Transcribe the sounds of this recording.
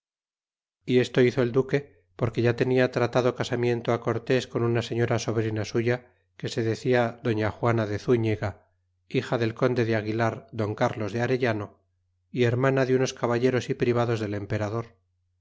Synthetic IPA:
ie̞st̪o̞iθo̞e̞ld̪uke̞ | po̞ɾke̞ʝat̪eniat̪ɾat̪aðo̞kasamje̞nt̪oako̞ɾt̪e̞sko̞nunaseɲo̞ɾaso̞βɾinasuʝa | ke̞se̞ðe̞θiaðo̞ɲaxwanaðe̞θuɲeɣa | ixaðe̞lko̞nd̪e̞ðeaɣilaɾd̪o̞ŋkaɾlo̞zðeaɾeʎano̞ | ie̞ɾmanaðeuno̞skaβaʎe̞ɾo̞sipɾiβ̞aðo̞zðe̞le̞mpe̞ɾaðo̞ɾ

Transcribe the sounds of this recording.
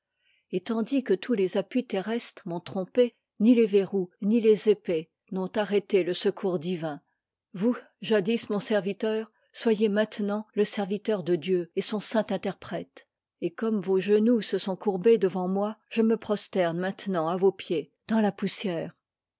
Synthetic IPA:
et̪ɑ̃d̪ikət̪ʰulezapɥit̪eʁɛst̪χəmɔ̃t̪χɔ̃pe | nileveʁunilezepe | nɔ̃t̪aʁet̪eləsəkʰuʁd̪ivɛ̃ | vu | ʒad̪ismɔ̃sɛʁvit̪œːʁ | swajemɛ̃t̪nɑ̃ləsɛʁvit̪œʁd̪əd̪jøesɔ̃sɛ̃t̪ɛ̃t̪ɛʁpχɛt̪ | ekɔmvoʒənusəsɔ̃kuʁbed̪əvɑ̃mwaʒ̥əməpχɔst̪ɛʁnmɛ̃t̪nɑ̃avopje | d̪̥ɑ̃lapusjɛːʁ

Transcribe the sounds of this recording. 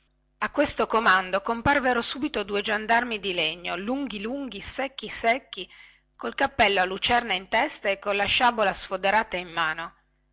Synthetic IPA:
akːwest̪okomand̪okomparveɾosuːbit̪od̪ued͡ʒand̪armid̪ileɲːoluŋɡiluŋɡisɛkːisɛkːi | kolkapːɛlːoalːut͡ʃɛrnaint̪ɛst̪aekːolaʃaːbolasfod̪eɾaːt̪aimːaːno

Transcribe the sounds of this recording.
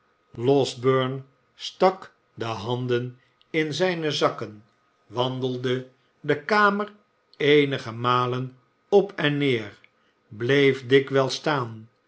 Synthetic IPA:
lɔzbøɹn | stɑk | dəɦɑndən | ɪnzɛjnəzɑkən | ʋɑndəlˠdə | dəkaːmər | ejnəχəmaːlən | ɔpʰɛnːɪːɹ | blejfdɪkʋɛlˠstaːn

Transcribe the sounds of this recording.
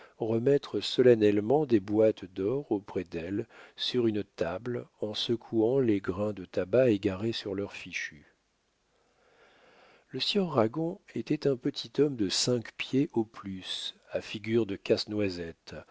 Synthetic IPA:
ʁəmɛt̪χəsɔlanɛlmɑ̃d̪ebwat̪d̪ɔʁopχɛd̪ɛlsyʁynt̪ablɑ̃səkʰuɑ̃leɡʁɛ̃d̪ət̪abaeɡaʁesyʁlœʁfiʃy | ləsjœʁːaɡɔ̃et̪ɛt̪ɛ̃pət̪ʰit̪ɔmd̪əsɛ̃kpjeʔoplysafiɡʲyʁd̪əkasnwazɛt̪

